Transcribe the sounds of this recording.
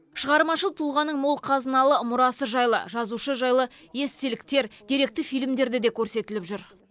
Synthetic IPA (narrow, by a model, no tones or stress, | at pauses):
ʃəʁɑɾmɑʃəlˠt̪ʰulˠʁɑnːəɴmolˠqʰɑzənɑlˠəmʊɾɑsəʒɑjlˠə̰ʒɑzuʃəʒɑjlˠə | je̞st̪elɪkt̪e̞ɾd̪̥ʲiɾe̞k̚t̪ɪfijlmd̪e̞ɾd̪ɪd̪e̞kʲʰɵɾse̞t̪ɪlɪpʒʏɾ